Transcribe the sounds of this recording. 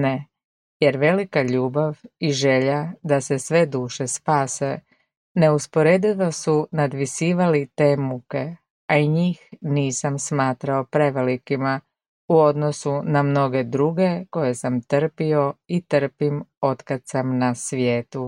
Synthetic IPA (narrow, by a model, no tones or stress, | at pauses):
ne | je̞ɾʋe̞likaʎuːbaʋiʒe̞ʎad̪ase̞sʋe̞d̪uːʃe̞spaːse̞ | ne̞uspo̞ɾe̞d̪iʋasunad̪ʋisiːʋalit̪e̞ːmuke̞ | aiɲiːxniːsamsmaːt̪ɾao̞pɾeʋe̞likima | uo̞d̪no̞sunamno̞ɡe̞d̪ɾuɡe̞ko̞je̞samt̪r̩pio̞it̪r̩pimo̞t̪kad̪samnasʋjeːt̪u